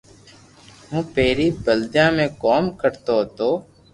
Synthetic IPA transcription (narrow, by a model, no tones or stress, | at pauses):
ɦũːpeːɾiːbəld͡ʒãːmẽːkɔːmkəɾt̪oːt̪oː